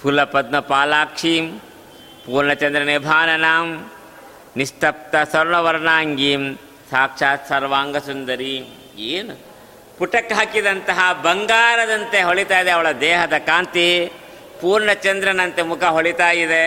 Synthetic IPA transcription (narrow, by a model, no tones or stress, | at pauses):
pʰulɐpɐd̪mɐpaːlaːkʂim | puːɾɳɐt͡ʃɐnd̪ɾɐnibʱaːnɐnaːm | nist̪ɐp̚t̪ɐsɐɾɳɐʋɐɾɳaːŋɡim | saːkʂaːt̪sɐɾʋaːŋɡɐsund̪ɐɾi | eːnu | puʈɐkɦɐkid̪ɐnt̪ɐɦɐbɐŋɡaːɾɐd̪ɐnt̪eɦoɭit̪aːjid̪eɐʋɐɭɐd̪ɛːɦɐd̪ɐkaːnt̪i | puːɾɳɐt͡ʃɐnd̪ɾɐnɐnt̪emukʰɐɦoɭit̪aːjid̪e